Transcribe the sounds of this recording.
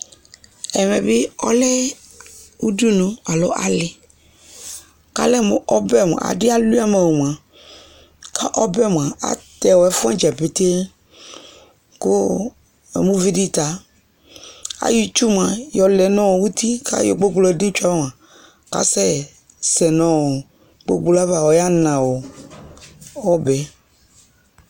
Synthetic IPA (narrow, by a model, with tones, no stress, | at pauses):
ɛ˨mɛ˨be˦ɔ̰˦lɛ˦ | wu˦du˦nõ˨a˨lo̰˦ʔa̰˨lɪ˨ | ka̰˦lɛ˦mõ̰˨ʔɔ˦bɛ˦˨m̰˨a̰˨dɪ˦a˦lu˦a˦mã˨wo˨m˨ã˨ | kʰa˦ʔɔ˦bɛ˦˨m˨a˨a̰˨˦t̪ɛ˨wɔ˨ɛ˦fu˦ã˦d͡ʒɛ˨pe˨t̪e˦ | ko˦ | ɛ̰˨mũ˦vi˦di˦t̪a˨ | a̰˨ji˦t͡ʃu˦m˨ã˨jɔ˨lɛ˨nɔ̃˦wo˨wu˦t̪i˦kʰa̰˦jɔ̰˨ɡ͡bo˦ɡlɔ˨di˦t͡ʃa˦m˨ã˨ | ka̰˦sɛ˦ | sɛ˨nɔ̃˦wo˨ | ɡ͡bo̰˦ɡ͡bla˦va˨wɔ˨ja˦nã˨wo˨ | ɔ˦bɛ˨